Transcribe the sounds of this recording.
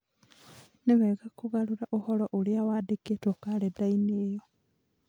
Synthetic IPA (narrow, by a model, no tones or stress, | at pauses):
neβɛɣakoɣaɾuɾaʔohɔɾɔʔoleawaːdeketɔkaɾedaineːjɔ